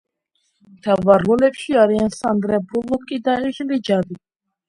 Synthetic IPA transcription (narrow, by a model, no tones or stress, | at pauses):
mt̪ʰavaɾːɔlɛpʃiaɾiansand̪ɾɛbɾulˠukʼid̪aiʒlid͡ʒad̪i